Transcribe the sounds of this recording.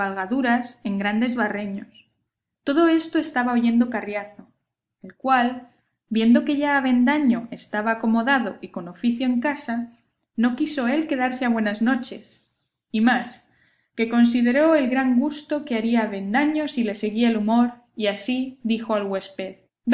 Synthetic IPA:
alɣaðuɾase̞ŋɡɾand̪e̞zβare̞ɲos | t̪o̞ðo̞e̞st̪o̞e̞st̪aβaoʝe̞nd̪o̞karjaθo̞ | e̞lkwal | bje̞nd̪o̞ke̞ʝaːβ̞e̞nd̪aɲo̞e̞st̪aβaːko̞mo̞ðaðo̞ʔiko̞no̞fiθjoe̞ŋkasa | no̞kiso̞e̞lke̞ðaɾse̞aβwe̞nazno̞t͡ʃe̞s | imas | ke̞ko̞ns̬ið̞e̞ɾo̞e̞lɣɾaŋɡust̪o̞keaɾiaβe̞nd̪aɲo̞sile̞se̞ɣiaelumo̞ɾ | iasiðixo̞alɣwe̞spe̞ð

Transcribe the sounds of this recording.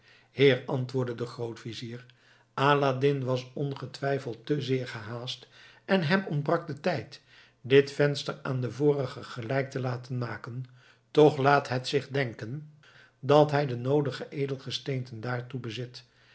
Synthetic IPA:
hɪːɹɑntʋʊːɹdədəχrowtfiziːr | ʔaːladɪnʋɑsɔnχətʋɛjfəlˠtəzɪːɹχəɦaːst | ʔɛnɦɛmɔnbrɑk̚dətɛjt | dɪtfɛnstəɹaːndəvʊːrəχəχəlɛjk̚təlaːtənmaːkən | tɔχlaːtɦətsɪχdɛŋkən | dɑtɦɛjdənowdəχəʔejdəlˠχəstejntəndaːɹtubəzɪt

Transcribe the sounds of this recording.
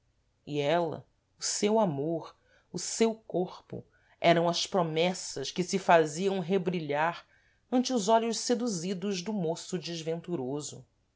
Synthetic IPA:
iɛlɐ̰ | ʊsewamoɾ | ʊsewkoχpʊ̰ | ɛɾɐ̃w̃ɐspɾomɛsɐʃkɪsɪfaziɐ̃w̃ɦebɾiʎaɾ | ɐ̃nt͡ʃɪʊzɔʎʊʃsed̪uzid̪ʊʒd̪ʊmosʊd͡ʒiʒvẽnt̪uɾozʊ̰

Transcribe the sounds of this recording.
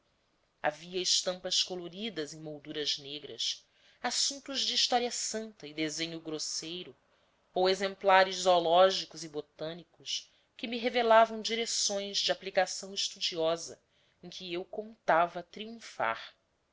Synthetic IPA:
a̰viɐɪʃt̪ɐ̃mpɐskoloɾid̪ɐzẽj̃mowd̪uɾɐzneɡɾɐ̰s | asũnt̪uzd͡ʒɪːʃt̪ɔɾiɐsɐ̃nt̪ɐid̪ezẽɲʊɡɾosejɾʊ | owezẽmplaɾɪzzolɔʒikʊzibot̪ɐ̃nikʊs | kɪmɪɦevelavɐ̃w̃d͡ʒiɾesõj̃zd͡ʒɪaplikasɐ̃w̃ɪʃt̪ud͡ʒiɔzɐ̰ | ẽkʰɪewkõnt̪avɐt̪ɾiũfa̰ɾ

